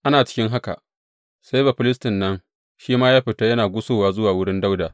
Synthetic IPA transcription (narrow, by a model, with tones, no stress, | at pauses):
ʔa˦naː˨t͡ʃɪ̥˦kʲɪ˦ŋɦa˦ka̰˨ | sa˦jba˨ɸɪ˦lɪ˦stɪ˨nːɐ˦ŋ | ʃiː˦maː˦jaː˦ɸɪ˨ta˦jɐ˦naː˨ɡʷʊ˦soː˨waː˨zʊ˦waː˨wʊ˦ɽɪ˦nda˦wdaː˨